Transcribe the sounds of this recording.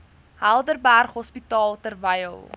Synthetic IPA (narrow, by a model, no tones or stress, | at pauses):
hælˠdərbærχɦɔspitɑːlˠtərvəjə̰lˠ